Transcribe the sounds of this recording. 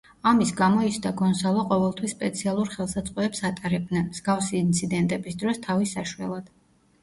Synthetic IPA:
amisɡamɔisd̪aɡɔnsalˠɔqʼɔvɛlˠt̪ʰwisːpʼɛt̪sʰialˠuɾχɛlˠsat̪sʼqʼwɔɛpsat̪ʼaɾɛb̚d̪nɛnmz̥ɡafsiːnt̪sʰid̪ɛnt̪ʼɛbisd̪ɾɔst̪ʰavisaʃuɛ̰lˠad̪̥

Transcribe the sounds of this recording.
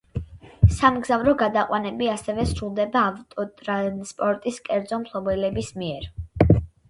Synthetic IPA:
samɡzavɾɔɡad̪aqʼwanɛbiasɛvɛsɾulˠd̪ɛbaːvt̪ʼɔt̪ʼɾanspʼɔɾt̪ʼiskʼɛɾd̪zɔmpʰlˠɔbɛlɛbismiɛɾ

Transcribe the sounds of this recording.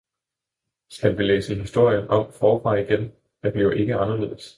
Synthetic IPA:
sɡ̥ælʋilḛːsəɦisd̥o̝ɐ̰jənɒ̽m̰fɒːfʁɑ̈iɡ̥en | æd̥ejoʔe̝ɡ̥əɑ̈nɐle̝̰ð̰̩ˠs

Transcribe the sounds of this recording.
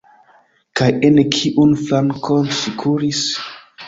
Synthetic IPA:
kajenekʰiʔunflaŋkʰonsikʰuɾis

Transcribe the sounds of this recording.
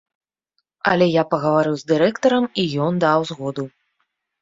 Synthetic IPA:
ɐ̰lʲɛjapɐɣɐvaɾɨwzd̪ɨɾɛkt̪ɐɾɐmijɔnd̪awzɣɔd̪u

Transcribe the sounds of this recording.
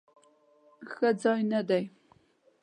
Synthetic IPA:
xɐd͡zainɐdɐj

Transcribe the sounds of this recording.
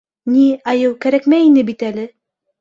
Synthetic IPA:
niæjɤwkæɾækmæinɘbit̪ælɘ

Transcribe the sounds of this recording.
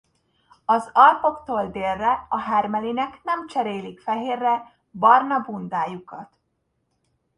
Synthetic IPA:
ɒzɒlpo̞kt̪oːld̪eːlːɛɒɦɛrmɛlinɛknɛmt͡ʃɛɾeːlikfɛɦeːrːɛ | bɒrnɒbund̪aːjukɒt̪

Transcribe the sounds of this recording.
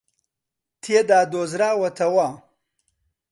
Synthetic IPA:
t̪ʰijed̪aːd̪oːzɾaːwɐt̪ʰɐwa

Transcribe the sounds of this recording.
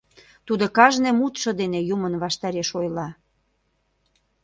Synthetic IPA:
t̪ud̪okɑʒnemut̪ʃɤ̆d̪enejumənβɑʃt̪ɑɾeʃojlɑ

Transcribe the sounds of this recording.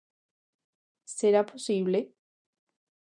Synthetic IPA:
seɾaposiβle

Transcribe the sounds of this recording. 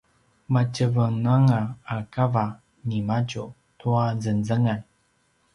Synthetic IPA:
mat͡ɕəvənaŋaːkava | nimat͡ʃu | tuazənzəŋan

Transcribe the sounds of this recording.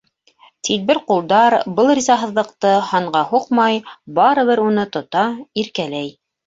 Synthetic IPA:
t̪ʰil̚bɘɾqulˠd̪ɑɾbɤlˠrʲizɑɦɤ̆ðlˠɤ̆qt̪ɤhɑɴɢɑhuqmɑjbɑɾɤ̆βɘɾunɤt̪ŏt̪ɑiɾkælæj

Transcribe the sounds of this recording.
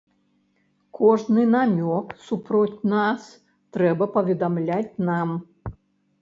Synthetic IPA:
kʰɔʐnɨnamʲɔksupɾɔt͡sʲnas | t̪ɾɛbɐpɐvʲɛd̪amlʲat͡sʲnam

